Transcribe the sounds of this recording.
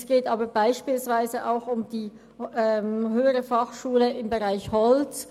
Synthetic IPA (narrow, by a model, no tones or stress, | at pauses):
sɡ̥eːtʔaːbɐbaɪʃpiːlsv̥aɪzəʔaʊxʊmd̥iː | ɛɦøːəʁəfaχʃuːləɪmbəʁaɪçhɔlt͡s